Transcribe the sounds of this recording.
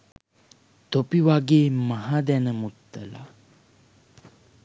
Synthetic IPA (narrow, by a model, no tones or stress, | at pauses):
t̪opiʋaɡeːmaɦaːd̪ɛnəmut̪ːəla̰